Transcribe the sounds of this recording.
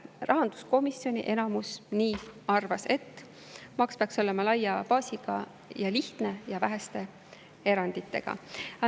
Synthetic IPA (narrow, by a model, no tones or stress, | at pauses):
rɑɦɑnd̪̥u̥sko̞misjo̞nʲiʔe̞nɑmusniːɑrvɑse̞t̪ː | mɑkspeɑkso̞lemɑlɑjːɑpɑːsiɡ̥ɑ̰ | jɑliht̪ne̞jɑvæɦest̪e̞ | e̞ɾɑnd̪it̪ːˑe̞̰ɡ̥ɑ̰